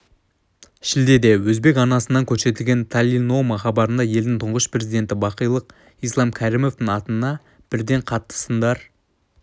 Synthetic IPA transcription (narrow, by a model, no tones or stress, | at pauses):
ʃɪld̪e̞d̪e̞wɵzbe̞kɑnɑsənːɑŋkʲʰɵɾse̞t̪ɪlɡʲe̞nt̪ʰalʲino̞mɑχɑbɑɾənd̪ɑje̞ld̪ɪŋt̪ʰʊɴʁəʃpre̞zijd̪e̞nt̪ɪbɑqəjlˠəq | ijslˠɑmkʲʰæɾimo̞fd̪ɪŋɑt̪ənnɑ | b̥ɪɾd̪e̞ɴqʰɑt̪ːə̥sənd̪ɑɾ